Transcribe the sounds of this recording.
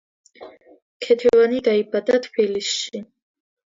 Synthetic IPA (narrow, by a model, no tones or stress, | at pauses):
kʰɛt̪ʰɛvanid̪aibad̪at̪ʰbilisʃi